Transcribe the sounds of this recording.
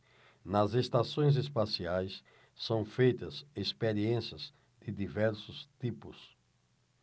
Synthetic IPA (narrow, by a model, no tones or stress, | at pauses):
nɐzest̪asõj̃z̬espasiajs | sɐ̃w̃fejt̪ɐsespeɾiẽsiɐz | d̪̥ɪd̪ivɛɾsʊst̪ipʊs